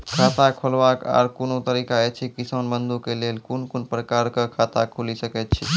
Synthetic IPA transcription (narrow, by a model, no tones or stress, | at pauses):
kʰat̪akʰolʋaka̰ɾkunot̪əɾikaɛt͡ʃʰikisənbənd̪ukelelkunkunpɾəkaɾkəkʰat̪a̰kʰulisəkɛt̪̚t͡ʃʰi